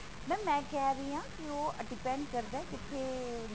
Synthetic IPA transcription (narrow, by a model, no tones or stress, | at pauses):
mɛ̃ːmɛ̃ːkɛːɾəiãːkioːəɖɪpɛ̃ːɳɖkəɾd̪aɛːd͡ʒɪt̪ʰːeː